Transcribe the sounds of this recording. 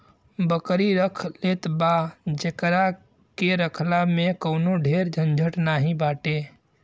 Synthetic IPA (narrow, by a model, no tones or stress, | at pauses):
bəkɾiɾəkʰlet̪bad͡ʒekɾa | keɾəkʰlamẽkəʊnoɖʱeːɾd͡ʒʱənd͡ʒʱəʈnaːɦĩbaːʈe